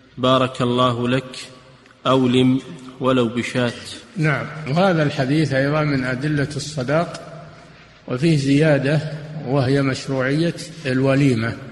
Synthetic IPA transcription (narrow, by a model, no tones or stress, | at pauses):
bɑːɾˤɑkɑlˤːɑːɦlak | ʔawlɪmwalawbɪʃaːt̪naʕamwhaːðalħad̪iːθʔajðˤɑmɪnʔad̪ɪlːaɨsˤːɑd̪ɑːq | wɪfiːhzɪjaːd̪awɪhjamaʃɾuːʕɪjːaɪlwaliːma